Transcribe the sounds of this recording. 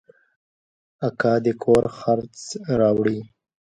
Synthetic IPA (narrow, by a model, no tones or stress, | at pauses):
akɑd̪əkʰoɾxaɾt͡sɾɑwɽi